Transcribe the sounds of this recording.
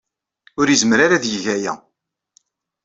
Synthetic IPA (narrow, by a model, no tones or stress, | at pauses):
ʊɾjizmɾaɾaðjəʝæjæ̰